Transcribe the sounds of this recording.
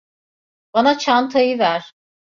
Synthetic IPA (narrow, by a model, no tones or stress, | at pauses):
banat͡ʃʰant̪ʰajɯvæɾ̥